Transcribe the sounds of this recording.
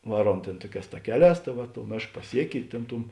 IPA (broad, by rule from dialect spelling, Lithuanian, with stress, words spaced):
ˈʋɑːˌruɔm ˈtʲeːn ˈtuɔˌkʲɛːs tɐˈkʲæːˌlʲɛːs tɐ ˈʋɐ toːʊ ˈmʲeːʃk pɐˈsʲiɛkʲɪ ɪ ˈtʲeːn ˈtʊm